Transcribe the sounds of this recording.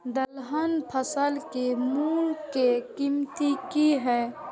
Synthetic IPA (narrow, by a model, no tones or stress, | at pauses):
d̪ɐlɦənpʰɐsəlkemuːɾkekimt̪ikiɦɛː